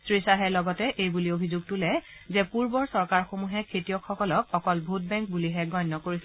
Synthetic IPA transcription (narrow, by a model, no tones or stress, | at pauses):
sɹisaɦɛlɔɡɔtɛʔejbuliobʱizuɡ̚tʊlɛ | zɛpuɹbɔɹsɔɹkaɹxomuɦɛkʰetijɔkxɔkɔlɔk̚ɔkɔlbʱut̚bɛŋkbuliɦɛɡɔjnːɔkoɹis